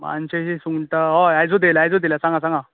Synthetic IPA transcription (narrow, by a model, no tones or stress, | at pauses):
mã̰nɕeɕisuŋʈ̪aɦoajd͡zod̪elajd͡zod̪ilasãŋɡasãŋɡa